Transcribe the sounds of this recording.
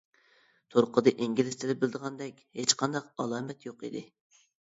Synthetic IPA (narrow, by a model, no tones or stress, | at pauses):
t̪ʰoɾqəd̪ɨʔiŋɡʲilɪst̪ʰɪlɪp̚bɪld̪əʁɑnd̪ɛkʲhet͡ʃqʰɑnd̪ɑqɑlˠɑːmɛt̪joqid̪ɪ